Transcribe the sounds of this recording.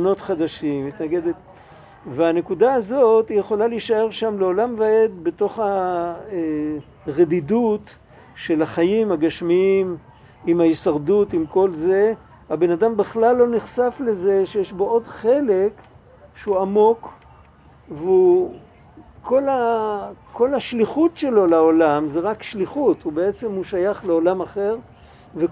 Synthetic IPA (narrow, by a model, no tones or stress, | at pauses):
no̞t̪χad̪aʃimːit̪naɡed̪et | veanekudaːzo̞t̪ijeχo̞laliʃae̞ʁʃamleo̞lamvee̞d̪be̞t̪o̞χae | ʁed̪idut | ʃe̞laχajimhaɡaʃmiim | imhajisaʁdut̪imko̞lze̞ | abe̞nadambeχlalːo̞niχsafle̞ze̞ʃejeʃbo̞o̞dχe̞lek | ʃeuamo̞k | veu | kʰːo̞la | kʰo̞laʃliχutʃe̞lo̞laolamzeʁakʃliχutubeet͡se̞mhuʃajaχleolamaχe̞ʁ | ve